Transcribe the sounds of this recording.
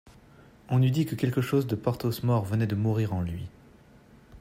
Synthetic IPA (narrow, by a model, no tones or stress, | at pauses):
ɔ̃nyd̪ikəkʲɛlkəʃozd̪əpɔʁt̪osmɔʁvənɛd̪əmuʁiʁɑ̃lɥi